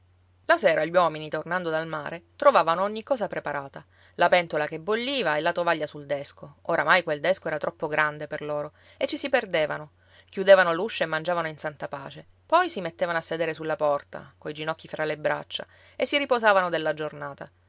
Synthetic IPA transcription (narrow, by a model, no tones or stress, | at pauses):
laseːɾaʎwɔminit̪ornand̪od̪alma̰ːɾet̪ɾovaːvanooɲːikːɔːsapɾepaɾaːt̪a | lapɛnt̪olakebːoʎːiːvaelːat̪ovaʎːasuld̪ɛskooɾamajkweld̪ɛskoɛːɾat̪ɾɔpːoɡɾand̪eperloːɾo | et͡ʃːisiperd̪eːvano | kʲjud̪evanoluʃːoemːand͡ʒavanoinsant̪apa̰ːt͡ʃe | pɔjsimet̪ːevanoasːed̪eːɾesulːapɔrt̪a̰koid͡ʒinɔkːifɾalebɾa̰t͡ʃːa̰ | esːiripozaːvanod̪elːad͡ʒornaːt̪a